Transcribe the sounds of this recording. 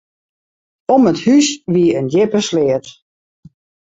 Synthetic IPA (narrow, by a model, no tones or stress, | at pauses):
ɔməthysʋiəəndjɪpəslɪət